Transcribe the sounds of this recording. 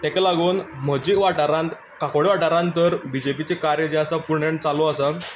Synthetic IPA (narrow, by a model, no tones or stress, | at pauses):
t̪ɛ̃kalaɡuːnm̤əd͡ʑiʋaʈaɾãnt̪ | kakoɽeʋaʈaɾãnt̪əɾbid͡ʑepit͡sekaɾjəd͡ʑasapuɾɳeɳt͡saloəsə